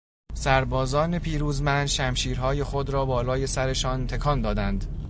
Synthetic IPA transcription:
sæɾbɒːzɒːnepʰiːɾuːzmænd̪ʃæmʃiːɾɦɒːje̞xod̪ɾɒːbɒːlɒːje̞sæɾeʃɒːnt̪ʰe̞kʰɒːnd̪ɒːd̪ænd̪

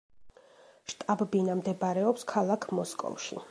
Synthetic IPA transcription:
ʃt̪ʼabbinamd̪ɛbaɾɛɔpskʰalˠakʰmɔskʼɔ̰vʃḭ

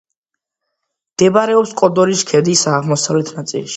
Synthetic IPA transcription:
md̪̥ɛbaɾɛɔpskʼɔd̪ɔɾiskʰɛd̪isaːʁmɔsavlɛt̪ʰnat̪sʼḭlʃi̥

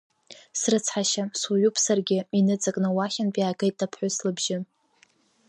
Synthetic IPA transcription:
srɨt͡sʰħaʃaswujupʰsarɡʲɪinɨt͡sʼakʼnɨwaχʲɪnpʼjaːɡejt̚ʼdapʰħʷʊslɨbʒɪ

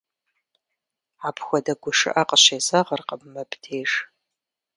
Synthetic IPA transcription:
aːpxʷɔdɐɡʷʊʂɨ̰ʔɐqəɕeːzɐʁərqəbmɐbdʰeːʒ

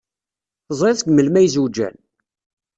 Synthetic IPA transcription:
zˤɾeðɡməlmæjzud͡ʒæ̰n

